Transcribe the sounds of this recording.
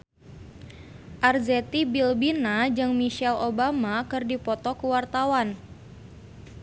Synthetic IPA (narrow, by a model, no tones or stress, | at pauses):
ʔarzɛt̪ibilbinad͡ʒɨŋmiʃɛlʔobamakɨrdipɔt̪ɔkuwart̪awan